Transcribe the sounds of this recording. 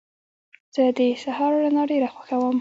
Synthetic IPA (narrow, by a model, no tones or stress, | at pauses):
z̥əd̪əsahɑɾlanɑɖeɾaxwaxawəm